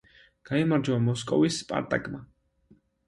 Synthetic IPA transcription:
ɡ̥aimaɾd͡ʒaamɔskʼɔ̰vispʼa̰ɾt̪ʼa̰kʼma

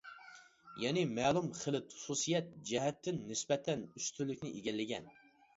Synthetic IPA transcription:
jɛnɪmɛːlˠumχəlɪt̪χu̥susijɛt̪̚d͡ʒɛɦɛt̪ʰːɪnːɪsbɛt̪ʰːɛnyst̪ʰylːɪkʲnɪʔeɡʲɛlːɪɡʲɛ̰n

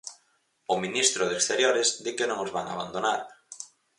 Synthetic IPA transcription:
ʊminist̪ɾʊðekst̪eɾjoɾɪzd̪ikenõŋozβaŋa̰βa̰nd̪onaɾ

